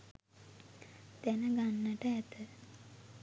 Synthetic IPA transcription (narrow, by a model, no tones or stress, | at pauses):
t̪ænəɡanːəʈəæt̪ə